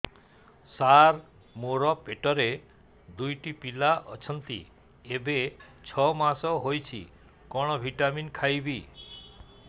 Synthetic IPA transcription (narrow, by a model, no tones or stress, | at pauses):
saɾ | moɾɔpeʈɔɾe | d̪ujʈipilaʔɔt͡ʃʰɔnt̪ḭ | ebet͡ʃʰɔmasɔɦojt͡ʃʰḭ | kɔɽ̃ɔbʱiʈaminkʰajbi